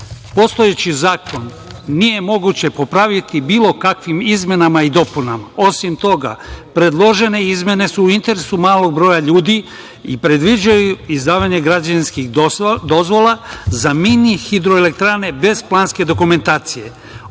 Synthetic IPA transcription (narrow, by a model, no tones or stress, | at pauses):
po̞st̪o̞je̞t͡ɕizaːko̞nː | ije̞mo̞ɡut͡ɕe̞po̞pɾaʋit̪ibiːlˠo̞kakʋimizmje̞namaid̪o̞punamao̞simt̪o̞ɡa̰pɾe̞d̪lˠo̞ʒe̞ne̞izmje̞ne̞suːint̪e̞ɾe̞sumaːlˠo̞ɡ̚bɾo̞ːjaʎuːd̪i | ḭpɾe̞d̪ʋid͡ʑajuizd̪aːʋaɲe̞ɡɾad͡ʑainskixd̪o̞zʋo̞lˠazaminixid̪ɾo̞ele̞k̚t̪ɾane̞be̞zplˠaːnske̞d̪okume̞nt̪aːt̪sije̞